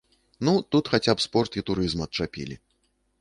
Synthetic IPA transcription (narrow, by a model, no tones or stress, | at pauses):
nut̪ut̪xat͡sʲapspɔrt̪it̪uɾɨzmɐɐt̪̚t͡ʂapʲḭlʲḭ